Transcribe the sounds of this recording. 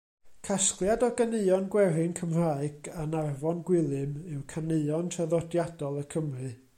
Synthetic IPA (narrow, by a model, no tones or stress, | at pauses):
kʰasklˠjadɔɡaneɨɔnɡwɛɾɨnkʰəmr̥aːɨɡ̥anarvɔnɡwɪlˠɨmɨwkʰaneɨɔntʰəðɔdjadɔlˠəkʰəmrɨ